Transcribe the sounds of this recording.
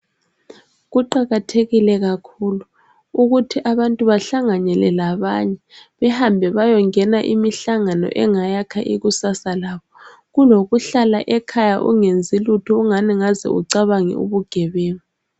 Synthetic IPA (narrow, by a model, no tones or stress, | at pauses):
ɣuǃaɣatʰeɣilɛɣakʰulu | uɣutʰiʔaβantʼuβaɬaŋanɛlɛlaβaɲɛβɛhambʱɛβajɔŋɛnaʔimiɬaŋanɔ̰ʔɛŋajakʰaʔiɣusasalaːβɔ | ɣuloɣuɬalaʔɛkʰajaʔṵŋend͡zʱilutʰuːŋaniŋazɛ̰ṵǀaβaŋḭṵβuɡ̥ʱɛβeːni